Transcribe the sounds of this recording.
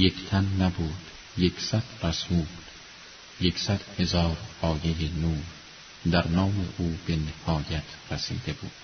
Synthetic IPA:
je̞kʰt̪ʰænːæbuːd̪̥ | jekʰsæd̪̥ræsuːl | jeksæd̪̥he̞zɒːɾɒːjejenuːɾ | d̪æɾnɒːme̞̰ʔuːbe̞nehɒːjæt̪ʰɾæsḭːd̪e̞buːd̪̥

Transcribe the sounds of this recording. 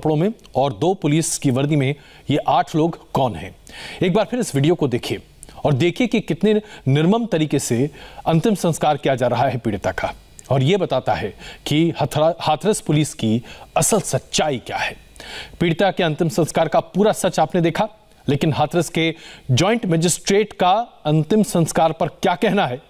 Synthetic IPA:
pɽõmẽ | ɔːɾd̪oːpʊliːskiʋɐɾd̪imẽ | jeʔaːʈʰloːɡkɔːnɦɛ̰̃ːeːk̚baːɾpʰɪɾɪsʋɪɖijokod̪eːkʰie | ɔːɾd̪eːkʰiekikɪt̪nenɪɾməmt̪ɐɾiːkeseɐ̃nt̪ɪmsɐ̃nskaːɾkijad͡ʒaːɾɐɦaɦɛpiːɽɪt̪aka | ɔːɾjebɐt̪aːt̪aɦɛkihaːt̪ʰɾəspʊliːskiɐsəlsɐtːʃaːikja̰ːhɛː | piːɽɪt̪akeɐ̃nt̪ɪmsɐ̃nskaːɾkapuːɾasɐt͡ʃaːpned̪eːkʰa | leːkɪnɦaːt̪ʰɾəsked͡ʒɔːɪ̃ɳʈmɛːd͡ʒɪsʈɾeːʈkaɐ̃nt̪ɪmsɐ̃nskaːɾpɐɾkjaːkɛɦnaɦɛː

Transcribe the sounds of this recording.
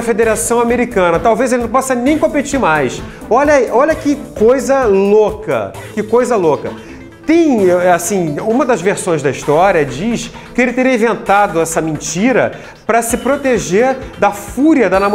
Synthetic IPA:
ɐfed̪eɾasɐ̃w̃ameɾikɐ̃nɐt̪awvezelɪnɐ̃w̃pɔsɐnẽj̃kõpet͡ʃiɾmajs | ɔʎɐʔɔʎɐkɪkojzɐlokɐ̰kɪkojzɐlokɐ | t̪ẽj̃asĩũmɐd̪ɐzveɾsõj̃zd̪ɐist̪ɔɾiɐd͡ʒiʃ | kɪelɪt̪eɾiɐĩvẽnt̪ad̪ʊɛsɐmẽnt͡ʃiɾɐ̰ | pɾɐsɪpɾot̪eʒeɾd̪ɐfuɾiɐd̪ɐnamo

